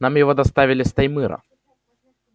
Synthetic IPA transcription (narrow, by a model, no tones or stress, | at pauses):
namjɪvod̪ɐst̪avʲɪlʲɪst̪ɐjmɨɾɐ̰